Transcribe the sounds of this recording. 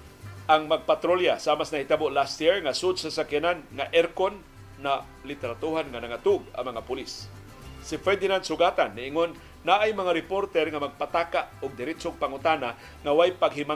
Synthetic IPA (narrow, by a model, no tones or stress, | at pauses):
ʔaŋmaɡ̚pat̪ɾoljasamasnahit̪aboʔlast̪jiɹŋasʊd̪sasakɪnanŋaʔɛɾkonː | a | lɪt̪ɛɾat̪uɦanŋanaŋat̪ʊɡa̰ŋmɐŋapʊlisː | ifɛɹd̪ɪnand̪sʊɡat̪anːɪʔɪŋonː | aʔajmɐŋaɾɪpoɾt̪ɛɾŋamaɡ̚pat̪akaʔʊɡ̚d̪ɪɾɪt͡ʃoɡ̚paŋʊt̪ana | ŋawajpaɡɦɪma